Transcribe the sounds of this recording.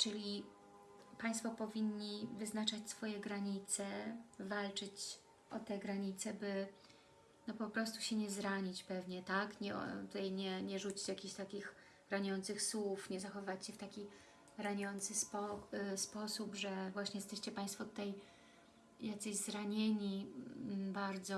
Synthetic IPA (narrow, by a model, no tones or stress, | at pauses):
t͡ʂɘlʲi | paj̃st̪fɔpɔvʲiɲːivɘznat͡ʂat͡ɕʲsfɔjɛɡɾaɲit̪sɛvalt͡ʂɘt͡ɕ | ʔɔt̪ɛɡɾaɲit̪sɛbɘ | nɔpɔpɾɔs̬t̪u̥ɕɛɲɛzɾaɲit͡ɕpɛvɲɛt̪akɲɛɔ̰t̪ut̪ajɲɛɲɛʐut͡ɕi̥t͡ɕjakʲiɕt̪akʲix | ɾaɲɔnt̪sɘxswufɲɛzaxɔvɘvat͡ɕɕɛft̪akʲi | ɾaɲɔnt̪sɘspɔspɔsupʐɛvwaɕɲɛjɛst̪ɛɕt͡ɕɛpaj̃st̪fɔt̪t̪ɛj | jat̪sɛʑzɾaɲeɲi | baɾd̪zɔ